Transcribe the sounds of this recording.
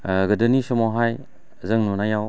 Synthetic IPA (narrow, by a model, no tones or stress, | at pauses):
ɡɯdɯnisɔmɔɦaj | zɯŋnunajaw